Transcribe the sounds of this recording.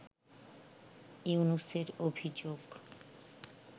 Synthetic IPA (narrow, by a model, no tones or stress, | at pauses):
iunuseɾobʱid͡ʑoɡ